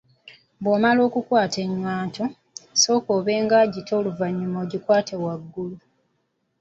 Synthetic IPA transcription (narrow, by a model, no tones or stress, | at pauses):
bwoːmalo̞ːkukwaːtʰe̞ɲːwaːto̞ | so̞ːkoːβeːŋɡaːɟitʰo̞ːluvaɲːumo̞ːɟikwaːtʰe̞waɡːulu